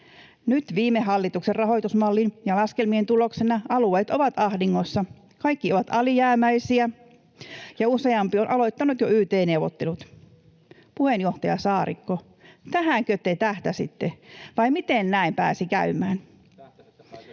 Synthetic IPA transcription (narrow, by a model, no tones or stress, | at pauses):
nyt̪ʋiːmːeɦɑlːit̪ukserrɑɦo̞it̪usmɑlːinjɑlɑskelmient̪uloksenɑɑlueːt̪oʋɑt̪ɑhdiŋːosːɑ | kɑikːioʋɑt̪ɑlijæːmæisiæ | jɑuseɑmpionʔɑloit̪ːɑnut̪joyːt̪eːneuwʋot̪ːelut̪ | puhenjoht̪ɑjɑsɑːrḭkːo | t̪æɦæŋkøt̪ːeit̪æht̪æsḭt̪ːeʋɑimit̪ennæimpæ̰ːsikæ̰ymæːn